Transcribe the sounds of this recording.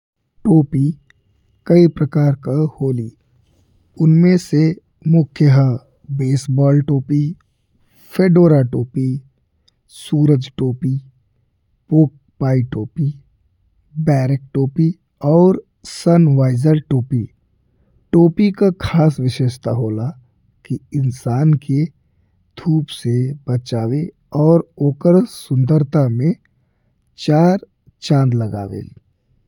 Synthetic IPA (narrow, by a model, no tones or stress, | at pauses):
ʈoːpi | kɐipɾɐkaːɾkahoːliː | ʊnmẽse | mʊkʰjəɦə | beːsbɔːlʈoːpi | fʰeːɖoːɾaʈoːpi | suːɾəd͡ʒʈoːpi | poːk̚paːiʈoːpi | bɛːɾek̚ʈoːpi | ɔːɾ | sənʋaːɪzəɾʈoːpi | ʈoːpikakʰaːsʋɪʃeːʃt̪ʰaɦoːla | kiɪnsaːnke | d̪̥ʱuːpsebət͡ʃaːwe | ɔːɾoːkəɾsʊ̃nd̪əɾt̪amẽ | t͡ʃaːɾ | t͡ʃãːnd̪ləɡa̰ːʋḛ